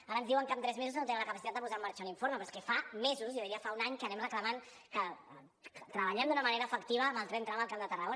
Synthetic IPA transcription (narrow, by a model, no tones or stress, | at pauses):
aɾənzðiwəŋkamt̪ɾɛzmezusnot̪enəmləkəpasit̪at̪d̪əp̬uzamːaɾt͡ʃauniɱfoɾməpɾɔskɛfamezuzjoðiɾiəfaunaɲkənɛmrəkləman | kə | t̪ɾəβəʎɛmd̪unəməneɾəːfəkt̪iβ̞əːməlˠt̪ɾɛnt̪ɾaməlˠkamd̪ət̪ərəɣo